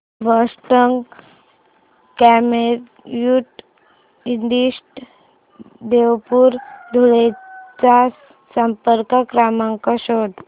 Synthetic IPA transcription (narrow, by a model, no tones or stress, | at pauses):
ʋəsʈəŋɡ | kɛmeɾ | juʈ | ind̪iɕʈ | d̪eʋpuːɾd̪ʱuɭet͡sa | səmpəɾkəkɾamaŋkɔɕod̪